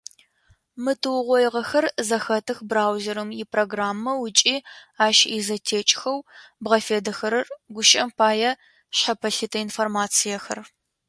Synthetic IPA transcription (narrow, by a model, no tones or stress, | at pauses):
mɨtʰɨwʁʷɔjʁɐxɐrzɐxɐtʰɨxbraːwzeɾɨmjɪpʰroɡraːmːɐwʊt͡ʃʼiːaːʃizɐtʰeːt͡ʃʼxɐwbʁɐfeːdɐxɐɾɐrɡʷʊʃʼɐmpʰaːjɐ | ɕɐpʰɐɬɨtʰɐinformaːt͡sʰijɐxɐ̰r